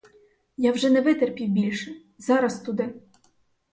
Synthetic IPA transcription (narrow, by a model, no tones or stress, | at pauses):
jawʒɛnɛʋɪt̪erpʲiwbʲilʲʃɛ | zɑɾɐst̪ud̪ɪ